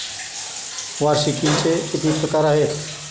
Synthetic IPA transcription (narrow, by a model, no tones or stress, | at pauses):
ʋaɾsikint͡seit̪ʰipɾəkaɾaɦet̪